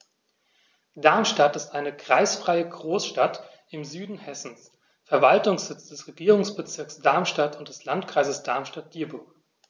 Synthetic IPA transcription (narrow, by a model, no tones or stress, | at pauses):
d̥aɐmʃtatɪstʔaɪnəkʁ̥aɪsfʁ̥aɪəɡʁoːsʃtat | ɪmzyːdn̩hɛsn̩s | fɛɐvaltʊŋsz̥ɪt͡sd̥ɛsʁeɡiːʁʊŋsb̥ət͡sɪɐksd̥aɐmʃtatʊntd̥ɛslantkʁ̥aɪzəsd̥aɐmʃtat̚d̥iːɐbʊɐk